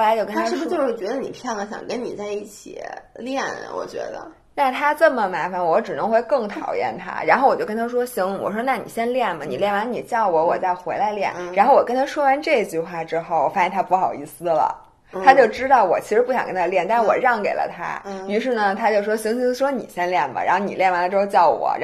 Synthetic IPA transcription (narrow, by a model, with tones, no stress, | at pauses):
xo˩la˧˥ɪt͡ɕjo˥˧ʊkə˥na˥aɻ̩˥˩b̩˧t͡ɕjo˥˧ʊʂɻ̩˥˩t͡ɕɥɛ˧˥d̪ə˧˩nḭ˨˩pʰjɑ˥˩ŋd̪ə˧˦ɕjɑ̰˨˩ŋkə˥nni˨˩t͡sa˥˧ɪi˥˩t͡ɕʰḭ˨˩ljɛ˥˩nwɔ̰˨˩t͡ɕɥɛ̰˧˥d̪ə̰˧ | na˥˩t̪ʰa˥t͡sə˥˩mə˩ma˧˥fa˧˩nwɔ˧˥ʈ͡ʂɻ̩˨˩nɤ˧˥ŋxwe˥˧ɪkɤ˥˩ŋt̪ʰɑ̰˨˩ʊjɛ̰˥˩nt̪ʰa̰˥ɻa˧˥nxo˥˩wɔ˨˩jo˥˧ʊkə˥nt̪ʰa˥ʂwɔ˥ɕi˧˥ŋwɔ̰˨˩ʂwɔ˥na˥˩nḭ˨˩ɕjɛ˥nljɛ˥˩nmə˩ni˨˩ljɛ˥˩nwa˧˥nni˨˩t͡ɕjɑ˥˩ʊwɔ˧˥wɔ˨˩t͡sa˥˩ɪxwe˧˥ɪla˧˥ɪljɛ˥˩nɻa˧˥nxo˥˩ʊwɔ˨˩kə˥nt̪ʰa˥ʂwɔ˥wa˧˥nʈ͡ʂɤ˥˩i˧t͡ɕy˥˧xwa˥˩ʈ͡ʂɻ̩˥xo˥˩ʊwɔ˨˩fa˧˥ɕjɛ˥˧nt̪ʰa˥pu˥˩xɑ˨˩ʊi˧˥˩sɹ̩˧˥lə̰˨˩ | t̪ʰa˥t͡ɕjo˥˩ʊʈ͡ʂɻ̩˥t̪ɑ˥˩ʊwɔ˨˩t͡ɕʰi˧˥ʂɻ̩˧˥pu˥˩ɕjɑ˨˩ŋkə˥nt̪ʰa˥ljɛ˥˩nt̪ʂ̩˥˧wɔ˨˩ɻɑ˥˩ŋke˨˩ɪlə̰˦t̪ʰa̰˥y˧˥ʂ̬ɻ̩˥˩nə˩t̪ʰa˥t͡ɕjo˥˩ʊʂwɔ˥ɕi˧˥ŋɕi˧˥ʂwɔ˥nḭ˨˩ɕjɛ˥nljɛ˥˩nmə̰˩ɻa̰˧˥nxo˥˩ni˨˩ljɛ˥˩nwa˧˥nə˧ʈ͡ʂɻ̩˥xo˥˧t͡ɕjɑ˥˩ʊwɔ̰˨˩˦ɻa˧˥